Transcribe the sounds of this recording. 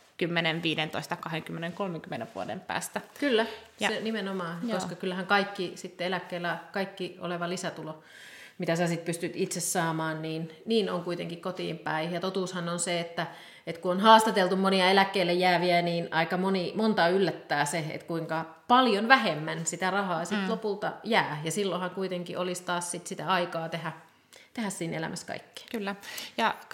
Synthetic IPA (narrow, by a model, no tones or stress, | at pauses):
kymːeneʋʋiːdent̪o̰ist̪ɑkɑheŋkymːeneŋkolmeŋkymːeneʋʋṵodḛmpæ̰ːst̪ækylːæsenimenomɑːkoskɑkylːhæŋkɑikːisit̪ːeelækːeːlːækɑikːio̰leʋɑlisæt̪ulo | mit̪æsæsit̪̚pyst̪yt̪it̪sessɑːmɑːnniːnniːno̰ŋkuit̪eŋkikkot̪ḭːmpæijɑt̪ot̪uːshɑnonseet̪ːæ | et̪kuonhɑːst̪ɑt̪elt̪ummoniɑelækːeilːejjæːʋiæniːnɑikɑmonimont̪ɑylːæt̪ːæːseḛt̪kuiŋkɑ | pɑljonʋæhemːænsit̪ærɑhɑːɑsit̪lopult̪ɑ̰jæːjɑsilːohɑŋkuit̪eŋkiʔolist̪ɑːssit̪sit̪æɑikɑːt̪ehæ | t̪ehæssiːnʔḛlæ̰mʔæskɑ̰ikːi̥kylːæjɑ